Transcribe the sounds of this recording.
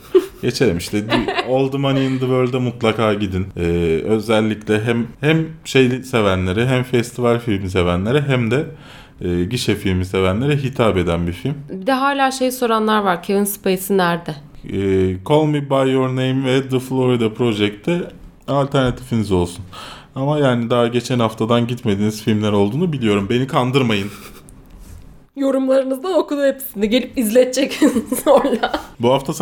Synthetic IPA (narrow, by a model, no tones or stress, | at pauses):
ɟ̥et͡ʃʰeɾʲimiʃt̪ʰɛd̪iolˠd̪umanijɯnd̪ɯvølʲd̪ɛmut̪lˠakʰaːɟid̪inɛːø̞zælʲːiclʲɛɦæmhæmʃejʲise̞vænlʲe̞ɾɛɦæmfɛst̪ʰivalʲfilʲmis̬e̞vænlʲe̞ɾɛɦæmd̪ɛː | ɟiʃɛfilʲmise̞vænlʲe̞ɾɛɦit̪ʰaːpe̞d̪ænbifilʲmbid̪ɛɦaːlʲaːʃe̞jso̞ɾanlˠaɾvaɾcʰevinspejsɯnæɾd̪ɪ | ɛːkʰo̞lˠmibajøɾnejimvɛd̪ɯflˠoɾid̪apʰɾo̞ʒɛk̚t̪ʰːɛ | alʲt̪ʰæɾnat̪ʰifinizo̞lˠsun | amajaːnid̪aaɟe̞t͡ʃʰænhaft̪ʰad̪anɟit̪me̞d̪iːniz̥filʲmlʲæɾo̞lˠd̪uːnubilʲijo̞ɾumbe̞nikʰand̪ɯɾmajɯn | jo̞ɾumlˠaɾɯnɯzd̪ano̞kud̪uepʰi̥sinɛɟe̞lʲipizlʲɛt̪̚t͡ʃʰɛcinsoɾlˠabuɦaft̪ʰas